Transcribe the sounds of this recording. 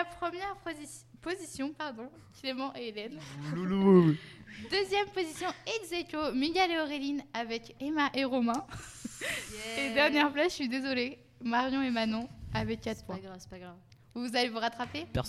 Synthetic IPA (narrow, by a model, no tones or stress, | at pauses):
apχəmjɛʁ | pozisjɔ̃paʁd̪ɔ̃ | klemɑ̃ʔelɛnl | d̪əzjɛmpozisjɔ̃ɛɡzekomiɡaleɔʁelinavɛkemaʔeʁɔmɛ̃ | ed̪ɛʁnjɛʁplasʃɥid̪ezɔle | maʁjɔ̃emanɔ̃avɛkːat̪pwɛ̃ɡʁ | vuvuzalevuʁat̪χapepɛs